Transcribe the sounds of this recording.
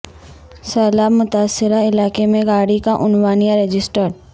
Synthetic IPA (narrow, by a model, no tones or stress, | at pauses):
səːlamʊt̪aːsːɪɾaɪlaːkemẽɡaːɽikaʔʊnwaːnijaɾed͡ʒɪsʈəɾɾ